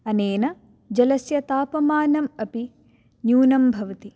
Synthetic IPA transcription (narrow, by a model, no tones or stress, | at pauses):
ɐneːnɐ | d͡ʒɐlɐsjɐt̪aːpɐmaːnɐmɐpi | njuːnɐmbʱɐʋɐt̪i